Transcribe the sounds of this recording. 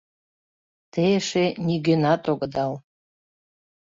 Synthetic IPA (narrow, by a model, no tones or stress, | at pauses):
t̪eʃeniɡenɑt̪oɡəd̪ɑl